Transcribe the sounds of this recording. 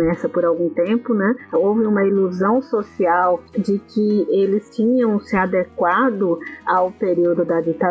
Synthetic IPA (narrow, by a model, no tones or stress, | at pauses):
ɛsɐpɔɾawɡũt̪ẽmpʊnɛ̃owvɪũmɐiluzɐ̃w̃sosiawd͡ʒɪkʰɪelɪst͡ʃĩɲɐ̃w̃sɪad̪ekwad̪ʊawpeɾiwd̪ʊd̪ɐd͡ʒit̪a